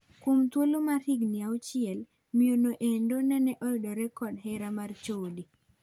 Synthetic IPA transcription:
kwomt̪wolomaɾiɡnɪaot͡ʃɪɛl | mionoʔendonɛnɛʔɔɪdoɾɛkɔdɦɛɾamart͡ʃoli

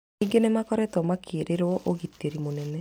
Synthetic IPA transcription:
iɡenemakɔɾɛtɔmakʰeːɾʔeɾwɔʔoɣitːeɾimonɛnɛ

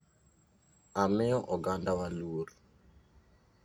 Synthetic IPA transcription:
amɛɔʔɔɡandawaluoɾ

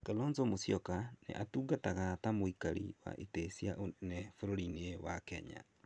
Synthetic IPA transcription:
kalɔnzomosjɔkanḛʔatuːɡataɣatamoikaɾḭwa̰ʔetesjanɛfoɾoɾinewakɛ̰ɲa̰

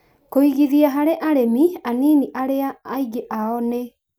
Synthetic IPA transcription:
koiɣiðiaɦaɾeʔaɾemianiːniʔaɾeaːiɣeʔaɔne

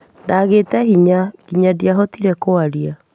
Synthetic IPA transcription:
ndaɣeːtɛhiɲakiɲadjaɦɔtiɾɛkoaɾia

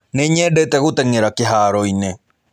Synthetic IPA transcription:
neɲɛdɛtɛɣotɛŋeɾakeɦaːɾɔine

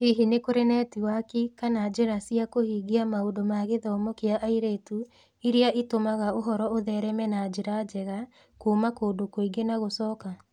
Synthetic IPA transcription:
iɦinekoɾenɛːtiwakikanad͡ʒeɾasiakohiːɣiamaodomaɣeðɔmɔkeaʔaiɾeːtu | iɾeaʔitomaɣaoɦɔɾɔoðɛɾɛmɛnad͡ʒeɾad͡ʒɛɣa | kuːmakoːdokoiɡenaɣosɔːka

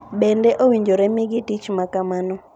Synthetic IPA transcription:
bɛndɛʔowiɲd͡ʒoɾɛmɪɡɪtit͡ʃmakamanɔ

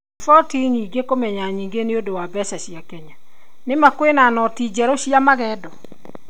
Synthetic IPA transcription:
fɔtiɲiːɡekomɛɲaɲiːŋɡeneodowabɛsaɕiakɛɲa | nemakwenanɔtid͡ʑɛɾɔɕiamaɣɛːdɔ

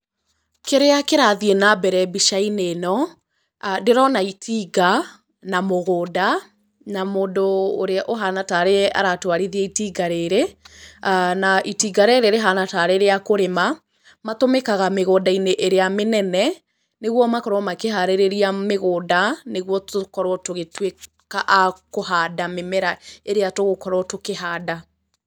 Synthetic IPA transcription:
keɾeakeɾaðienabɛɾɛbiʃainenɔ | deɾɔnaitʰiːɡa | namoɣoːda | namoːndoːɾeaʔoɦanataɾea̰ɾatwaɾiðiaitiːɡaɾeɾe | naʔitiːɡaɾeɾeɾeɦanataɾeɾeakoɾema | matomekaɣameɣoːdaineʔeɾeamenɛnɛ | neɣwɔmakɔɾɔmakeɦaɾeɾeɾiameɣoːdaneɣwɔtokɔɾɔtoɣetwe | kaʔakoɦaːdamemɛɾaeɾeatoɣokɔɾɔtokeɦaːda

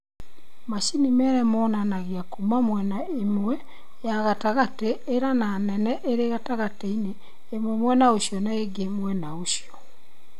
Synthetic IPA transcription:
maʃinimɛɾɛmɔnanaɣiakumamwɛna | emwɛ | jaɣataɣateːɾananɛnɛʔeɾeɣataɣateineː | mwɛmwɛnaoʃjɔnaeɡemwɛnaoʃijɔ

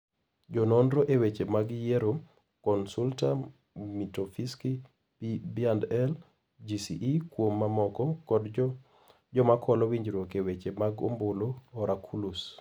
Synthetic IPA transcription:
d͡ʒɔnɔndɾoʔewet͡ʃemaɡjeɾo | kɔnsulta | mitofiski | pibiandɛl | d͡ʒisḭʔikwomːamɔkɔkɔd | d͡ʒɔmakʰɔlɔwiɲd͡ʒɾokewet͡ʃemaɡo̰mboloɔɾʔakʰulus

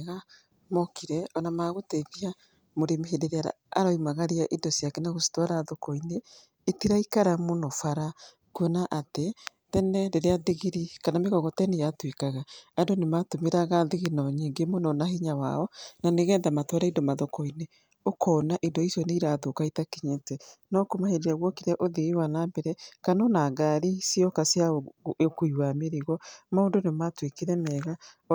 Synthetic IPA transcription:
ɣa | mɔkiɾɛɔnamaɣotɛɣia | moɾemiɦedeɾeaɾa̰ | a̰ɾɔimaɣaɾiaʔindɔsjakɛnaɣosi̥twaɾaðokɔineː | tiɾaikaɾamonofaɾa | kwenaʔate | tɛnɛdeɾeaðiɣiɾikanameɣɔɣɔtɛnejatwekaɣaandonematomeɾaɣaðiɣinɔɲiːŋɡemonɔnahiɲawa̰ɔnaneɣɛːndamatwaɾaindomaðokɔine | okʰɔnaʔendɔisjɔneiɾaðokaitakeɲetɛnɔkomaheɾiaɣwɔkiɾɛʔoðiɣiwanaːmbɛɾɛkanonaɡaɾisiɔkasjaekuiwameɾiɣɔmaondonematwekiɾɛmɛːɣa

